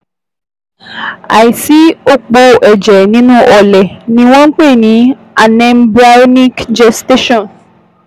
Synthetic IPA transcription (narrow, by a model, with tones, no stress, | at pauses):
a̰˨i˨si˨˦o˦k͡po˧ʔɛ˨d͡ʒɛ˨nĩ˨˦nũ˦ʔɔ˨lɛ˨nĩ˧˦w̃ɔ̃˦ŋ̩˦k͡pe˦˨nĩ˨˦ | a˨nɛ̃˧mbɾa˦nĩ˦kd͡ʒɛ˧ste˦ʃɔ̃˦˨n